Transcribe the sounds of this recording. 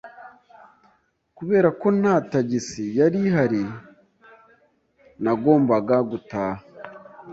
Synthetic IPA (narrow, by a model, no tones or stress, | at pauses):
kuβe̞ːɾako̞naːtaɟisijaɾiɦaɾi | naɡo̞ːmbaɡaɡutaha